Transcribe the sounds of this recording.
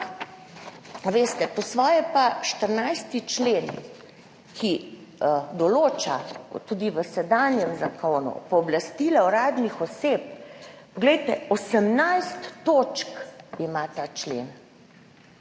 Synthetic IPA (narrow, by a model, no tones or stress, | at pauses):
aʋeːst̪ɛpɔsʋɔːjɛpaʃt̪əɾnajst̪it͡ʃleːn | kʰi | d̪ɔloːt͡ʃat̪uːd̪iʋəsɛd̪aːnjɛmzakonṵpɔːblast̪ilaoɾaːd̪nixɔseːp̚pɔɡlɛjt̪ɛosəmnajst̪ːot͡ʃkimat̪aːt͡ʃlḛn